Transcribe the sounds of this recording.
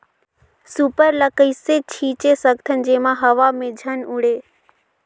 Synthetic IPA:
supəɾləkəiset͡ʃʰiːt͡ʃesəɡt̪ʰənd͡ʒeːmãɦəʋamẽd͡ʒʱənʊɽeː

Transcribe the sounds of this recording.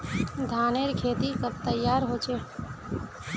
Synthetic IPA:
d̪ʱaːneɾkʰeːt̪ikəbt̪əjːaːɾɦoːt͡ʃeː

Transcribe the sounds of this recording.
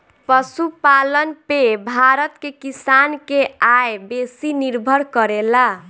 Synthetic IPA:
pəsupalənpebʱaɾət̪kekisankeajbesiniɾbʱəɾkəɾela

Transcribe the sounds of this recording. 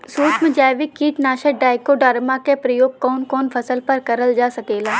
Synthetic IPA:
soːt͡ʃmẽd͡ʒaːʋɪkːiːʈnaːʃəɖaːɪkoɖɐɾmakepɾɐjoːɡ̚kɔːnkɔːnfʰɐsəlpɐɾkɐɾəld͡ʒaːsɐkeːlaː

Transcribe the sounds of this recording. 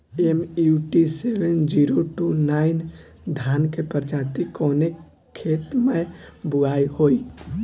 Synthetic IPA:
emuʈisewənd͡ʒiːɾoʈunaːɪn | d̪ʱjaːnkepəɾd͡ʒaːt̪ikoːne | kʰeːt̪mẽbʊaːihoːiː

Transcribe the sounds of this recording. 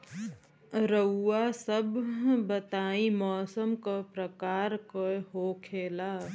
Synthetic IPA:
ɾəːasəbːət̪aːĩmɔːsəmkapɾəkaːɾkoɦokʰeːlaː

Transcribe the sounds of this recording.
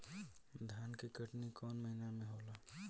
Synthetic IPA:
d̪ʱjaːnkekəʈnikɔːnməɦinamẽɦoːla

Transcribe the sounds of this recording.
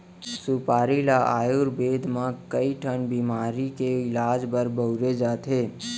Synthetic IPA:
supaːɾilaʔa̰ːjuɾbeːd̪ʱmãkəiʈʰənbiːmaːɾikeɪlaːd͡ʒbəɾbəʊɾed͡ʒaːt̪ɦeː

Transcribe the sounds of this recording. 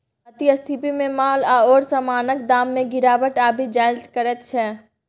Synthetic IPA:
ɐt̪iəst̪ʰipimẽmaːlaɔːɾsəmaːnəkd̪aːmːẽɡɪɾaːʋəʈaːbʱid͡ʒaːɪltkəɾɛt̪̚t͡ʃʰɛː

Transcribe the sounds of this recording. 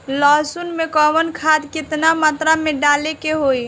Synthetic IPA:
lɔsunmekɔbənkʰad̪kit̪namat̪ɾameɖalekeɦoj

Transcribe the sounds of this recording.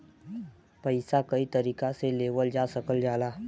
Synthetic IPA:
pəɪsakəit̪əɾiːkaseleːʋəld͡ʒaːsəkəld͡ʒaːlaː

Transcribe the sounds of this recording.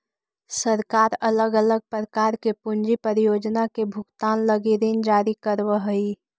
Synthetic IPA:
səɾkaːɾɐləɡələɡ̚pɾəkaːɾkepʊnd͡ʒipəɾijoːd͡ʒnakebʱʊkt̪aːnləɡiɾiːnd͡ʒaːɾikəɾwəɦʊi

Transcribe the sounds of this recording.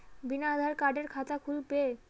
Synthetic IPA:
binad̪ʱaɾkaɾɖeɾkʰat̪akʰulpe

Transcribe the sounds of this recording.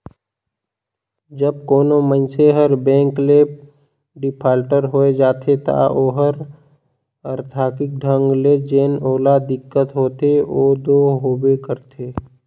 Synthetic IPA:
d͡ʒəb̚koːnomənseɦəɾbɛ̃ːŋkle | ɖɪpʰaːlʈəɾɦoːed͡ʒaːt̪ʰet̪a̰ʔoːɦəɾ | əɾt̪ʰaːkɪk̚ɖʱə̃ŋɡled͡ʒeːnoːlad̪ɪkːət̪ɦoːt̪eoːd̪oːɦoːbekəɾt̪ʰeː

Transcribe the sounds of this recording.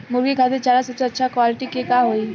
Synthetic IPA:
mʊɾɡikʰaːd̪et͡ʃaːɾasɐpt͡ʃʰeɐtːʃʰakwaːlɪʈikekaɦoi

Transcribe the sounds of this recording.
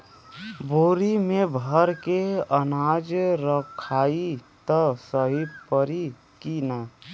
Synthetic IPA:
boːɾimebʱəɾkeənad͡ʒɾəkʰaːit̪əsəɦipəɾi | kina

